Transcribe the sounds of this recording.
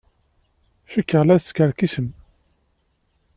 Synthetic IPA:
ʃəkːəʁlæskəɾkisəm

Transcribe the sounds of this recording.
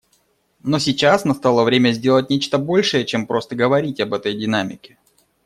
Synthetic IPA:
no̞sʲɪt͡ɕasnɐst̪alˠəvɾʲemʲəzʲdʲe̞lˠət̚ʲnʲet͡ɕt̪əbo̞lʲʂɨjət͡ɕe̞mpɾo̞st̪əɡəvɐɾʲitʲɐbɛt̪əjdʲɪnamʲɪkʲɪ̥

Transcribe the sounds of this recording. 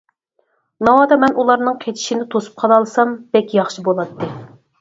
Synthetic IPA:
nɑwɑːd̪ɑmɛnʔulˠɑɾnɨŋqʰet͡ʃ̪ʰi̥ʃinɪt̪ʰosu̥p̚qʰɑlˠɑlˠɨsɑmb̥ɛkʲjɑχʃibolˠɑt̪ːɨ

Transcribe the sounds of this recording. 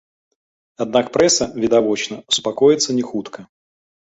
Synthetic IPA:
ɐd̪nak̚pɾɛsəvʲɪd̪ɐvot͡ɕnəʊspɐkojɪt̪sənʲɪxut̪kə

